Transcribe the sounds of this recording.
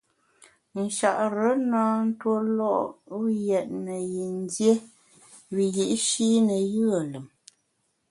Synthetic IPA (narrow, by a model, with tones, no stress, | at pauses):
n̩˨ʃa˨ʔɾə˨˦naː˦n̩˦two˦lɔ˦˨ʔjɛ˨ʔ̚nə˨ji˨n˦dje˦ | wi˨ji˨ʔʃiː˦nə˨jɯ˦a˨lə˨m